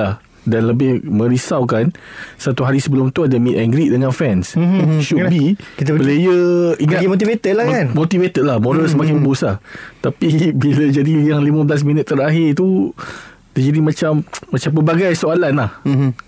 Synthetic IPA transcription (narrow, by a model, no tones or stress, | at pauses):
lah | danləbɪhmə̃ɾisawkansat̪uɦaɾisəbəlʊmt̪uadamit̪ɛŋɡɾiʔ̚dəŋãnfɛnsʃubikit̪əbəlejəiŋamot̪ivet̪ət̪̚lahkanmot̪ivet̪ət̪̚lahmoɾəlsəmakɪŋbusat̪apibiləd͡ʒadijaŋlimə̃bəlas̬mĩnət̪ːəɾaɦɪrt̪u | t̪ərd͡ʒadimãt͡ʃamːãt͡ʃampəbaɡajsoalanah